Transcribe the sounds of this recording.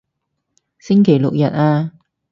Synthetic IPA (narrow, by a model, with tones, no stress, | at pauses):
sɪ˥ŋkʰe˨˩jlʊ˨k̚jɐ˨t̚aː˧